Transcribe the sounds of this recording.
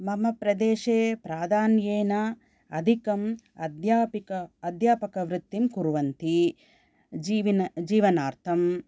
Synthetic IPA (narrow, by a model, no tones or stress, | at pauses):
mɐmɐpɾɐd̪eːʃeːpɾaːd̪ʱaːnjeːnɐ | ɐd̪ʱikɐm | ɐd̪jaːpikɐɐd̪jaːpɐkɐʋɾɪt̪ːimkuɾuʋɐnt̪i | d͡ʒiːʋinɐd͡ʒiːʋɐnaːɾt̪ʰɐm